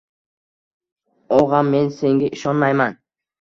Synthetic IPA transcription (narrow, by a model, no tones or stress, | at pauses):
ɒʁamːe̞nse̞ŋɡʲaʔɪʃɒnmajman